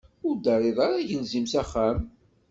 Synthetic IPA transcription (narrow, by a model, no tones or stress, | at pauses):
ʊɾd̪ɑrˤeðˤaɾaʝəlzimsæχːæm